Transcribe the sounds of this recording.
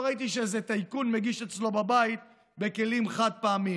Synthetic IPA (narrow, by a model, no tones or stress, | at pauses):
ʁait̪̬iʃezet̪ajkunmeɡiʃet͡slo̞babait̪ | be̞ke̞limχad̪̚paːmi